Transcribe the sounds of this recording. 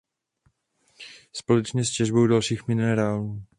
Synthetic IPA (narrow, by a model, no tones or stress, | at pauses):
spo̞lɛt͡ʃɲɛscɛʒbo̞wdalʃiːxmɪnɛɾaːluː